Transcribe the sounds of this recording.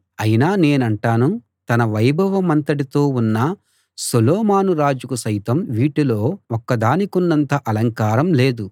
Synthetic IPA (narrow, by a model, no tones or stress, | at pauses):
ɐjinaːne̞ːnɐɳʈaːnu | t̪ɐnɐʋɐjbʱɐʋɐmɐnt̪ɐʈit̪oːunːɐ | sulɔːmaːnuɾaːd͡ʒukusɐjt̪ɐmʋiːʈilo̞ːɔkːɐd̪aːnikunːɐnt̪ɐʔɐlɐŋkaːɾɐmle̞ːd̪u